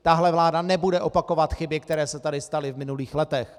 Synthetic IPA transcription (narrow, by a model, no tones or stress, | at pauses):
t̪aɦlɛvlaːdanɛbudɛʔo̞pako̞vat̪xɪbɪkt̪ɛɾɛːsɛt̪adɪst̪alɪvmɪnuliːxlɛt̪ɛx